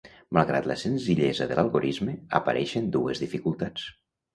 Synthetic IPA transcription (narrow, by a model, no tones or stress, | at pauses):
malˠɣɾa̰t̪ləsenziʎɛzəðəlʔalˠɣoɾʔizmeə̰pə̰ɾʔɛʃənd̪uezðifikulˠt̪at͡s